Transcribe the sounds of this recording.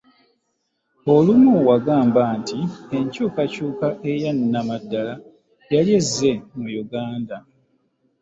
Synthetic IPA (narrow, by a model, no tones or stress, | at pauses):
o̞lumuwaɡaːmbaːntieɲcuːkacuːkaʔe̞janːamadːala | jaljezːe̞mujuɡaːnda